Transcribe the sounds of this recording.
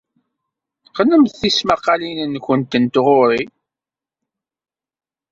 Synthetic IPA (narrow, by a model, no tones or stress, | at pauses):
qələmθθismaqːɑlinənːçənt̪ənt̪ʁʊɾi